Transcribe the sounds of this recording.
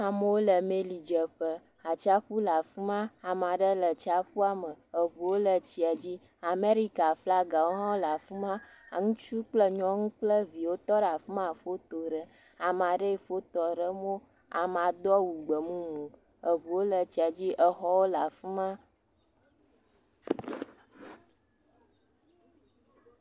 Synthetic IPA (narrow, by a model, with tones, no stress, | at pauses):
a˨mə˦wo˦lə˨me˦li˨d͡ʒə˨ɸə˦ | a˨t͡ʃa˦ɸu˦la˨fu˦mã˦a˨mã˨ɖə˦lə˨t͡ʃa˦ɸu˦a˦mə˨ə˨βu˨wo˦lə˨t͡ɕi˦a˨d͡ʑi˦ | a˨me˦ɾi˦ka˨fla˦ɡa˨wo˦ɦɔ̃˦la˨fu˦mã˦ | a˨ŋũ˦t͡ʃu˦k͡plə˦ɲɔ̃˦ŋũ˦k͡plə˦vi˨wo˦t̪ɔ˦ɖa˨fu˦mã˨fo˦t̪o˨ɖə˦ | a˨mã˨ɖə˦i˨fo˦t̪ɔ˨ɖə˦mo˦ | a̰˨mã˨d̪ɔ˦wu˨ɡ͡bə˨mũ˦ŋũ˨ | ə˨βu˨wo˦lə˨t͡ɕi˨a˨d͡ʑi˦ʔə˦xɔ˦wo˦la˨fu˦mã˦